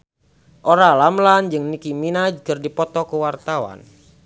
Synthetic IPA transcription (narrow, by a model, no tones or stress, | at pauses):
ʔoɾalamland͡ʒɨŋnikiminad͡ʒkɨrdipɔt̪ɔkəwart̪awa̰n